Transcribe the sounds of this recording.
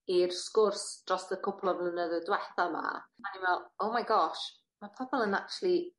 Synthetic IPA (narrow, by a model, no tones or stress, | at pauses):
irskʊrsd̥ɔstəkʰʊpʰlˠɔvlˠənəðədwɛθama̰maninvɛlˠowmajɡɔʃ | mapʰɔbɔlˠənak̚tʰulˠi